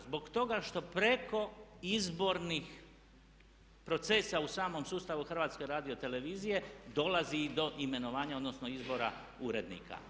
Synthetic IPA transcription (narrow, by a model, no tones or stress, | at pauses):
zbo̞ɡt̪o̞ɡaʃt̪o̞pɾe̞ko̞izbo̞ɾnix | pɾo̞t̪se̞ːsausaːmo̞msuːst̪aʋuxr̩ʋaːt̪skeɾaːd̪io̞t̪e̞le̞ʋiːzije̞d̪o̞lazid̪o̞ʔime̞no̞ʋaːɲao̞d̪no̞sno̞izbo̞ɾa̰ | uɾe̞d̪nḭːka̰